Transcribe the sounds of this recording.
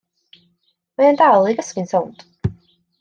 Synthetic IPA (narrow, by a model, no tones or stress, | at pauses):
majandalˠijɡəskɪnsownt